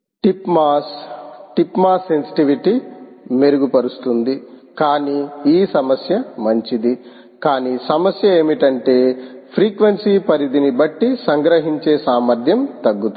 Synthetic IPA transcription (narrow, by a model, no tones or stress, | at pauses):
ʈipmaːsʈipmaːsːe̞nsi̥ʈiʋiʈimeɾuɡupɐɾust̪und̪ikaːniːiːsɐmɐsjɐmɐɲt͡ʃid̪i | kaːniːsɐmɐsjɐe̞ːmiʈɐɳʈe̞ːpʰɾiːkʋɐnsiːpɐɾid̪inibɐʈːisɐŋɡɾɐɦiɲt͡ʃeːsaːmɐɾd̪ʱjɐmt̪ɐɡːut̪